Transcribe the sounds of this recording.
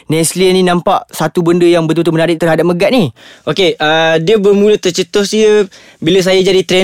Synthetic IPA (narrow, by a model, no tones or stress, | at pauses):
nɛsliənĩnãmpaʔsat̪ubəndəjaŋbət̪̬ut̪umənaɾɪʔ̚t̪ərɦadap̚məɡaʔ̪̚niʔokeədiəbərmũlət̪ərt͡ʃət̪ɔsdiə | biləs̬ajad͡ʒadit̪ɾɛ